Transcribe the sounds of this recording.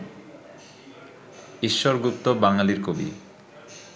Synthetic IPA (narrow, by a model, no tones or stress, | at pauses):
iʃːoɾɡup̚t̪obaŋaliɾkobḭ